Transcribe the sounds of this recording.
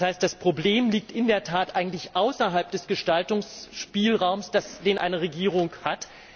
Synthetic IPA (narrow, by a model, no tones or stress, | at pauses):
haɪstd̥aspʁ̥obleːmliːk̚tʔɪndeːɐtʰaːtʔaɪɡŋ̩tlɪçʔaʊsɐɦalp̚d̥ɛsɡ̥əʃtaltʊŋsʃpiːlʁaʊmsd̥asd̥eːnʔa̰ɪnəʁeɡiːʁ̞ʊŋkhat